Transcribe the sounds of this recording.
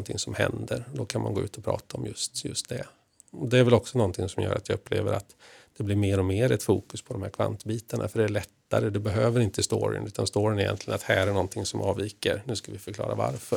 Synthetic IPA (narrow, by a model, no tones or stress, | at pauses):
nt̪ʰɪŋsɔmhɛnd̪əɾd̪ɔkʰanmʔanɡoːʉ̟ːt̪ɔpʰɾɑ̰ːt̪aɔmjɵst̪jɵst̪̚d̪ɛ | ɔd̪ɛæɾvɛlɔksɔnɔnt̪ʰɪŋsɔmjœ̰ːɾat̪jaɵpːlḛːvəɾat̪d̪̥ɛblɪɾmeːɾɔmeːɾɛt̪fuːkɵspʰɔd̪ɔmhæːɾkʰva̰nt̪biːt̪aɳa̰fœɖɛæɭɛt̪ːaɾəd̪ɛbɛɦøːvəɾɪnt̪əst̪oːɾɪ̰nʔʉ̟ːt̪anst̪oːɾɪənɛjɛ̰nt̪lɪɡənat̪hæːɾæɳɔnt̪ʰɪŋsɔmʔɑːviːkəɾnʉ̟ːskavɪfœɾkʰlɑ̰ːɾava̰ɾfœ